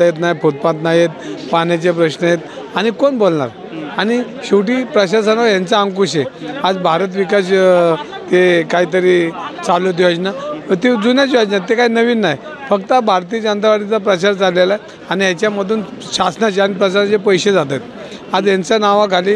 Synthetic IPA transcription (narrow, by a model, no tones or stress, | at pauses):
jet̪najpʰot̪̚pãt̪najet̪̚panat͡ɕepɾəɕnəjet̪ | aɽ̃ikonbolɳa̰ɾ | añi | ɕuʋʈiːpɾəɕaɾsanʋajant͡saəŋkuɕead͡zbʱaɾət̪̬ʋikaɕ | t̪ekaɦiːt̪̬əɾiːt͡saljot̪̬iad͡ʑnat̪id͡zunjat͡ɕiʋad͡ʑnat̪ːekaɦinəʋiːnːaj | fəkt̪əbʱaɾt̪iːd͡ʑənt̪aʋaɾʈ̪it͡sapɾət͡ɕaɾt͡salːela | anijat͡ɕjaməd̪ʱuːnɕasnat͡ɕeanipɾət͡ɕanat͡ɕepəjɕed͡zat̪ajt̪ | ad͡zjant͡sjanaʋãɡʱaliː